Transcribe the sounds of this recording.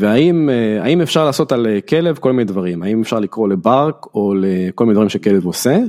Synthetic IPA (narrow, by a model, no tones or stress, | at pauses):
veaimea̰imefʃaʁlaːso̞t̪alekelevko̞lminedvaʁimaimefʃaʁlikʁo̞lebaʁko̞lekolmined̪vaʁimʃekelevose